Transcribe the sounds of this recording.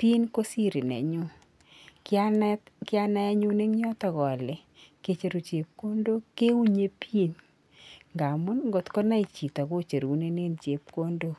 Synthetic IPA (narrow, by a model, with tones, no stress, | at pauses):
pi˦nko˦si˦ɾi˨nɛ̰˨ɲu˦ | ka˦nkɪ˦a˦na˦ɛ˦ɲu˦ne˦ŋɲɔ˦tɔ˨ɣɔ˨lɪ˨ | ke˦t͡ʃe˦ɾo˨t͡ʃe˨p̚ko˦ndo˦ke˦u˦ɲe˦pʰi˦n | ŋɡa˨mʊ˦nŋɡo˨tkɔ˦na˦i˨t͡ʃi˨ta˨ko˦t͡ʃe˨ɾu˨ne˦ne˦nt͡ʃe˨p̚ko˦ndo˦